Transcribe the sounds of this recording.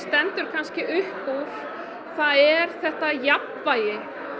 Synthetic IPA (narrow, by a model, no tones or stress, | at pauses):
st̪ɛnt̪ʏɾ̥kʰanscɪʔʏhpuɾ̥ | θaðɛɾ̥θɛht̪ajapnvaːjɪ